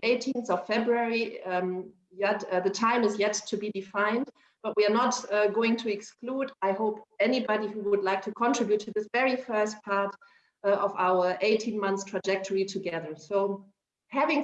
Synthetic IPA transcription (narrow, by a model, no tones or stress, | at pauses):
eɪtʰĩnθɔv̥fɛbɹuɛɹi | jɛtðɨtʰãɪ̃mɨzjɛtʰːɨbidɨfãɪ̃nd | b̥ʌt̚wiə˞nətɡoʊɪ̃ŋtʰɨɛkskludaɪhoʊpɛnibɑɾihuwədˡlaɪk̚tʰɨkʰɔ̃ntɹ̥ɪbjutʰːɨðɪsvɛɹifɜ˞st̚pʰɑɹt | ʌvaʊə˞ʔeɪtʰĩnmʌ̃nθtʰɹ̥ad͡ʒɛk̚tʰəɹitʰɨɡɛðə˞soʊ | hævɪ̃ŋ